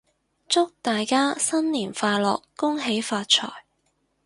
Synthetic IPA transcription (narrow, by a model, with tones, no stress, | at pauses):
t͡sʊ˥k̚t̪aː˨jkaː˥sɐ˥nliː˨˩nfaː˧lɔ̰ː˨kːʊ˥ŋɦe˨˥jfaː˧t̚t͡ʃʰɔ̰ː˨˩j